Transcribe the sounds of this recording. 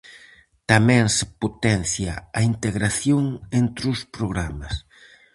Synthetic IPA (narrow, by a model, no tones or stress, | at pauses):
t̪amɛ̃ŋsɪ̥pot̪ɛnθjaɐint̪eɣɾaθjoŋent̪ɾʊspɾoɣɾamas